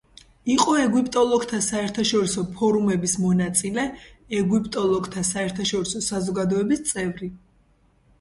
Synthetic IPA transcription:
iqʼɔɛɡwipʼt̪ʼɔlˠɔɡt̪ʰasaɛɾt̪ʰaʃɔɾisɔpʰɔɾumɛbismɔnat̪sʼilɛɛɡwipʼt̪ʼɔlˠɔɡt̪ʰasaɛɾt̪ʰaʃɔɾisɔsazɔɡad̪ɔɛbist̪sʼɛvɾi

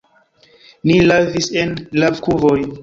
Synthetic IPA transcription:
nilavisenlavkuvoj

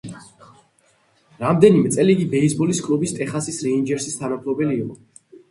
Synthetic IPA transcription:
ɾamd̪ɛnimɛt̪sʼɛliɡibɛisbɔliskʼlubist̪ʼɛχasisɾɛind͡ʒɛɾsist̪ʰanampʰlɔbɛliːqʼɔ

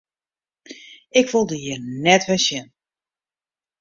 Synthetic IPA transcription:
ɪkʋolˠdəjənɛtʋɛsjɛn

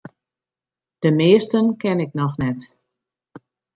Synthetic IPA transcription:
d̥əmɪːstənkɛnɪknɔxnɛt

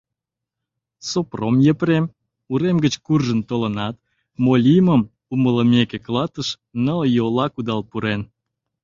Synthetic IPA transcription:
sopromjəpɾem | uɾemɡət͡ɕkurʒənt̪olənɑt̪̚ | molʲiməm | umələmekeklɑt̪əʃ | nəljolɑkud̪ɑlpuɾen

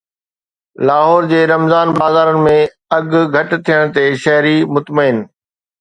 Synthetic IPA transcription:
laːɦɔːɾd͡ʑeːɾɐmzaːnbaːzaːɾənɪ̆mẽ | ɐɡɡʱɐʈt̪ʰijəɽ̃t̪eʃɐɦɾimʊt̪məɪn

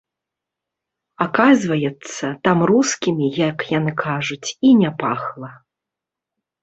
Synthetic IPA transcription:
akazvɐjɛt̪sːɐt̪amruskʲimʲijɐkjanɨkʰaʐut͡sʲinʲapaxlˠɐ

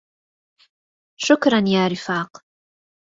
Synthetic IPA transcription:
ʃʊkɾɐnjaːɾɪfaːq

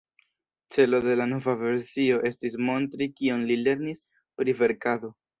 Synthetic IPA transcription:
t͡se̞lo̞de̞lano̞vave̞ɾsio̞ʔe̞stis̬mo̞ntɾikionlile̞ɾnis | pɾive̞ɾkado̞

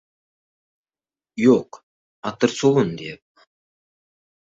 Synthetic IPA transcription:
joq | ɑt̪əɾsolˠənd̪ep̚

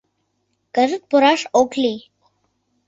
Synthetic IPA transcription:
kəɾət̪̚pʊɾaːʂoːkʰliː

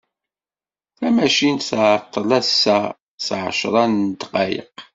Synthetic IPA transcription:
θæmæʃinsʕt̪ˤːəlæsːæ | sʕəʃɾˤɑnt̪qɑjə̰q

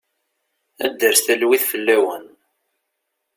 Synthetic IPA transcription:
æ̰d̪ːəɾst̪ælwiθfəlːæwən

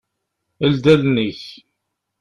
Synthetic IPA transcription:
əld̪ælnəç

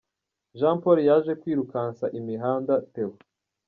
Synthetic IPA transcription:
ʒaːmpoɾijaʒe̞kwiːɾukaːnsaʔimiɦaːndatewo

